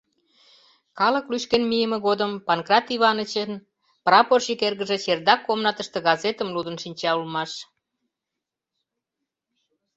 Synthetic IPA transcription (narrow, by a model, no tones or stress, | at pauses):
kɑlə̆klyʃkenmijəmĕɣod̪əmpɑnkrɑt̪iβɑnət͡ɕən | prɑporʃikerɣəʒĕt͡ɕerd̪ɑkːomnɑt̪əʃt̪ə̆ɣɑzet̪əmlud̪ənʃinʲt͡ɕɑulmɑʃ